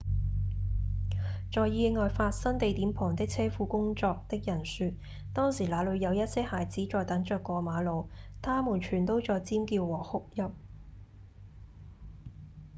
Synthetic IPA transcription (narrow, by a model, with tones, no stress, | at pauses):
t͡ʃɔː˨jjiː˧ŋɔː˨jfaː˧t̚sɐ˥nt̪e˨jt̪iː˨˥mpʰɔː˨˩ŋt̪ɪ˥k̚t͡sʰɛː˥fuː˧kʊ˥ŋt͡sɔː˧k̚t̪ɪ˥k̚jɐ˨˩nsyː˧t̚ | t̪ɔː˥ŋsiː˨˩laː˨˧lɵ˨˧ɥjɐ˨˧wjɐ˥t̚sɛː˥haː˨jt͡siː˨˥t͡ʃɔː˨˧jt̪ɐ˨˥ŋt͡ʃœː˨˧kːɔː˧maː˨˧lo˨˧wt̪ʰaː˥muː˨˩nt͡ʃʰyː˨˩nt̪o˥wt͡sɔː˨˧jt͡siː˥mkiː˧wwɔː˨˩hʊ˥k̚jɐ˥p̚